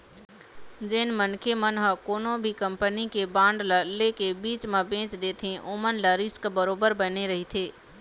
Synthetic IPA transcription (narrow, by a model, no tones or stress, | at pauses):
d͡ʒeːnmənkʰemənɦəkoːnõbʱikɐ̃mpənikebãːɳɖləlekebiːt͡ʃmãbẽːt͡ʃd̪eːt̪ʰẽʔoːmənlɐɾiskbəɾoːbəɾbɐneɾɐɦit̪ʰeː